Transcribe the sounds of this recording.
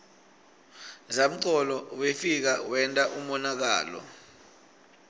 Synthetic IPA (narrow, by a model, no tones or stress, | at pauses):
zam̩ǀɔlɔwefik̬awɛntʼaʔumɔnak̬a̰ːlɔ̰